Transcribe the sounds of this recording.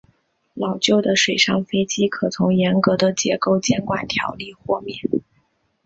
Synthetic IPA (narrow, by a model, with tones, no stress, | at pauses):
lɑ˨˩ʊt͡ɕjo˥˩ʊd̪ə˩ʂwe˨˩ɪʂɑ˥˩ŋfe˥ɪt͡ɕi˥kʰɤ˨˩t͡sʰʊ˧˥ŋjɛ˧˥nkɤ˧˥d̪ə˧t͡ɕjɛ̰˧˥ko˥˩ʊt͡ɕjɛ˥˩nkwa̰˨˩nt̪ʰjɑ̰˧˥ʊli˥˧xwɔ˥˧mjɛ˥˩